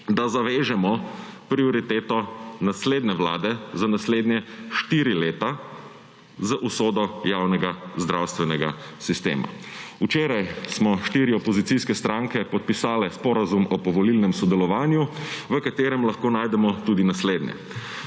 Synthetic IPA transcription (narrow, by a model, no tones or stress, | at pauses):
d̪azaʋeːʒɛmɔ | pɾiɔɾit̪eːt̪ɔnasleːd̪nɛʋla̰ːd̪ɛzanasleːd̪njɛʃt̪iːɾileːt̪a | zaʔusoːd̪ɔjawnɛɡazd̪ɾawst̪ʋɛnɛɡa̰ | sist̪ḛːma̰ut͡ʃeːɾajsmɔʃt̪iːɾiɔpɔzit̪siskɛst̪ɾãŋkɛpɔt̪̚pisaːlɛspɔɾazumɔpɔʋɔlilnɛmsɔd̪ɛlɔʋaːnjuʋəkat̪eːɾɛmlaxkoːnajd̪ɛmɔt̪uːd̪inasleːd̪njɛ̰